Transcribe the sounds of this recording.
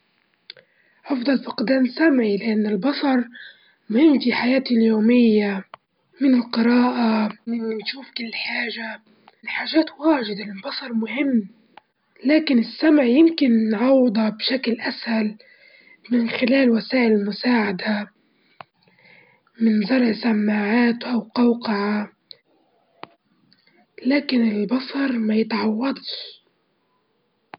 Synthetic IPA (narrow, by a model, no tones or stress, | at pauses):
ʕɑfd̪ˤɑlfʊqd̪aːnsamʕilɪʔanːɪlbɑsˤɑɾˤ | mʊhɪmːfiħajaːt̪iljoːmɪjːa | mɪnɪlqɨɾaːʔamɪnt̪ʃuːfkɪlːħaːʒa | nħaːʒaːt̪waːʒɪd̪anɪlbɑsˤɑɾˤmʊhɪmː | laːkɪnɪsːamʕjɪmkɪnnʕɑwːd̪ˤɑbʃaklʔashal | mɪnxɪlaːlwasaːʔɪlɪlmʊsaːʕad̪a | mɪnzˤɑɾˤʕsamːaːʕaːt̪ʔawqɑwqɑʕa | laːkɪnɪlbɑsˤɑɾˤmajɪt̪ʕɑwːɑd̪ˤʃ